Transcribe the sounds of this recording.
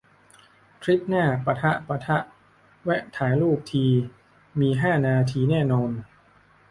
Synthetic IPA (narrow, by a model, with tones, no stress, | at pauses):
k̪ʰɾi˦˥p̚naː˥˩pa˧t̪ʰa˦˥ʔpa˧t̪ʰa˦˥ʔ | wɛ˦˥ʔt̪ʰaː˩˦jluː˥˩p̚t̪ʰiː˧ | miː˧ɦaː˥˩naː˧t̪ʰiː˧nɛː˥˩nɔː˧n